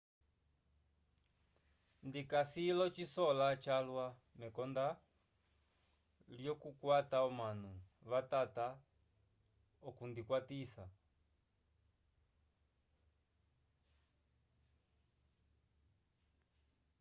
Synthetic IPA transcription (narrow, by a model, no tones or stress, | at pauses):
ndikasilɔt͡ʃisɔlat͡ʃalwamɛkɔnda | ljɔkukwataɔmanuβatata | ɔkundikwatisa